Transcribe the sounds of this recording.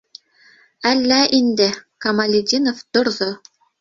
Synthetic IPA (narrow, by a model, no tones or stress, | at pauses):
ælːæʔind̪ɘ̆kɑmɐlʲidʲinoft̪ŏɾðo